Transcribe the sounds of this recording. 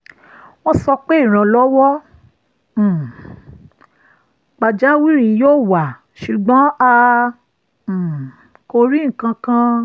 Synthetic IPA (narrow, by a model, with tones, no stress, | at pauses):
w̃ɔ̃˦sɔ˧k͡pe˦˨ɾ̃ã˨lɔ˦wɔ˦˨ | k͡pa˨d͡ʒa˦wi˦ɾĩ˧joː˦˨wa˨ | ʃu˨ɡ͡bɔ̃˨˦a˧˨ | ko˧ɾi˦ŋ̩˨kã˧kã˦˧